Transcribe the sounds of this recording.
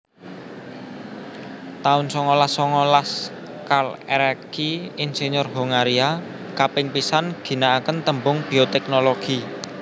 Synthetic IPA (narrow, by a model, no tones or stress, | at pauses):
t̪aʊnsɔŋɔlasɔŋɔlas | kalɛɾɛkiinseɲɔrɦoŋaɾia | kapɪŋpisanɡ̥i̤naakənt̪əmbʊŋb̥i̤ot̪ɛknoloɡ̥i